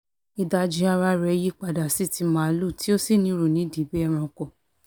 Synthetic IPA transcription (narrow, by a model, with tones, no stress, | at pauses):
i˧da˧d͡ʒi˧˦a˧ɾa˧ɾɛ˧ji˦k͡pa˧˨da˨si˦˨ti˧mãː˨˦˧lu˦˨ti˦o˦si˦˨nĩ˧˦ɾu˨nĩ˨˦di˨˦bɛ˦ɛ˦˧ɾ̃ã˧kɔ˨